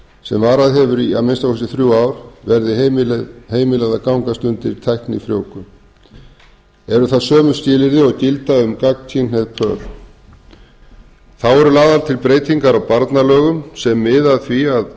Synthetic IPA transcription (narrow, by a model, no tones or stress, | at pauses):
sɛmvaːɾaðɦɛvʏɾiamɪnst̪awhɛsɪθɾjuaːwɾ̥vɛɾðɪ | heːjmɪlaðakawŋkast̪ʏnt̪ɪɾt̪ʰɛhknɪ̰fɾjo̰ːwkʏm | ɛɾʏθaðsœːmʏ̥sc̪ɪːlɪɾðɪɔɣcɪlt̪aʏmkakt̪ʰinɛðpʰœ̰ːɾ | θawɛɾʏlaːðalt̪ʰɪlpɾeːjt̪ʰiŋkaɾawpaɾt̪nalœːɣʏmsɛmːɪðaðθviað